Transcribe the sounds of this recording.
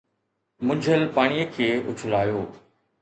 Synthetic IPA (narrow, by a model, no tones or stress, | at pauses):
mʊ̃ɲd͡ʑʱəlpaːɽ̃ijəkʰeːʊ̰t͡ɕʰʊlaːjoː